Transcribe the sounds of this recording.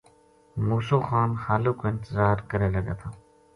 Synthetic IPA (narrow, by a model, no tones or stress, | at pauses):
muːsoːxaːnxaːloːkoɪ̃nt̪ɪzaːɾkəɾeːləɡeːt̪ʰaː